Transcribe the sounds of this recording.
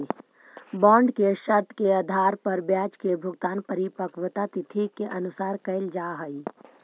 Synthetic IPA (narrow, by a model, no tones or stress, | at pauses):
bãːɳɖkeʃɐɾt̪ʰkead̪ʱaːɾpɐɾbjaːd͡ʒkebʱʊɡt̪aːnpəɾipəkʋət̪at̪ɪt̪ʰikeʔɐnʊsaːɾkɐɪld͡ʒaːɦəi